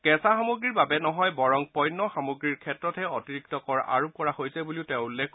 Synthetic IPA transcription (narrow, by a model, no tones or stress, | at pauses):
kɛsaxamuɡɹiɹbabɛnɔɦɔjbɔɹɔŋpɔjnːɔxamuɡɹiɹkʰɛtɹɔtʰɛotiɹik̚tɔkɔɹa̰ɹup̚kɔɹahojsɛbuliʊtɛ̃ʊ̃ulːɛkʰk